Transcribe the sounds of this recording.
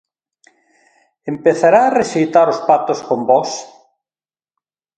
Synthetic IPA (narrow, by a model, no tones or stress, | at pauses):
empeθaɾaːreʃejt̪aɾʊspat̪ʊskombɔs